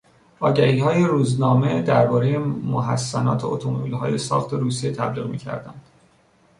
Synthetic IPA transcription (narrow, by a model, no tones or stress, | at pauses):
ɒːɟæhiːhɒːje̞ɾuːznɒːme̞d̪æɾbɒːɾejemoɦæsːænɒ̰ːt̪ʰeot̪ʰomobilɦɒ̰ːje̞sɒ̰ːχt̪ʰe̞ɾuːsijet̪ʰæbliːɣmḭːcʰæ̰ɾd̪ænd̪̥